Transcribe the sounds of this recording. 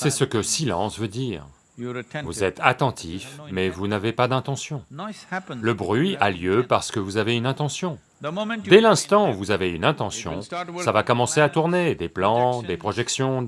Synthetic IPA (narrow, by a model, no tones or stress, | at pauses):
sɛsəkəsilɑ̰̃svød̪iːʁ | vuzɛt̪ʰat̪ɑ̃t̪ʰifmɛvunavepad̪ɛ̃t̪ɑ̃sjɔ̃ | ləbʁɥialjøpaʁsə̥kəvuzaveynɛ̃t̪ɑ̃sjɔ̃ | d̪ɛlɛ̃st̪ɑ̃uvuzaveynɛ̃t̪ɑ̃sjɔ̰̃savakɔmɑ̃seat̪uʁned̪eplɑ̃d̪epχɔʒɛksjɔ̃